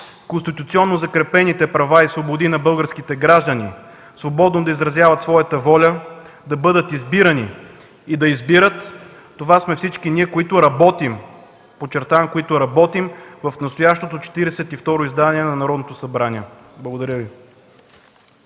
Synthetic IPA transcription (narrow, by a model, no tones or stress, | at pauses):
konst̪it̪ut̪siɔnːozɐkɾɛpɛnit̪ɛpɾɐvaisvobod̪inɐbɤlˠɡəɾskit̪ɛɡɾaʒd̪əni | svobɔd̪nod̪ɐizɾɐzjavɐt̪svɔjɐt̪əvɔlʲə | d̪ɐbɤd̪ət̪izbiɾɐni | id̪ɐizbiɾət̪ː | ovasmɛfsit͡ʃkiniɛkoit̪ʊɾɐbɔt̪im | pot͡ʃɛɾt̪avmkoit̪ʊɾɐbɔt̪imvɐfnɐst̪ojaʃt̪ot̪ot͡ʃɛ̥t̪iɾɛsɛt̪ift̪ɔɾoizd̪aniɛnɐnɐɾɔd̪not̪osɐbɾaniɛblˠɐɡod̪ɐɾʲəvi